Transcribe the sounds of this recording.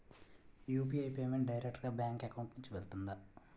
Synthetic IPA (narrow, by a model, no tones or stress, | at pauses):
juːpiɐjpeːmeɳʈ̚ɖɐjɾek̚ʈɐɾɡaːbjaːŋkekɐwɳʈniɲt͡ʃiʋelt̪und̪a